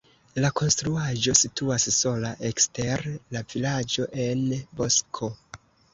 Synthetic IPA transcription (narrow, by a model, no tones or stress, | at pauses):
lako̞nstɾuaʒo̞situasso̞laʔe̞kste̞ɾlavilad͡ʒo̞ʔe̞nbo̞skʰo̞